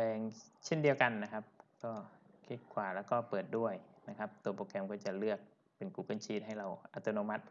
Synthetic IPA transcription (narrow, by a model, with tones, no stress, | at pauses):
pɛː˨˧ŋt͡ɕʰe˥˩ndi˨˧əwka˧nːa˦kʰa˦˥p̚kɔː˧˥˩kʰi˦˥t̪̚kʰwaː˨˩lɛː˧˥˩kɔː˥˩pɤː˨˩t̪̚du˥˩əjna˦˧kʰa˦˥p̚t̪u˨˧˩ɐpoː˧kɛ˧mk̬ɔː˥˩t͡ɕa˨˩lɯ˥˩ək̚ | pe˨˩nkuː˨˩kɯ˧˥˩nt͡ɕʰiː˧˥t̪̚ɦa˥˩jla˧wʔʔa˧t̪o˧noː˧ma˦t̪̚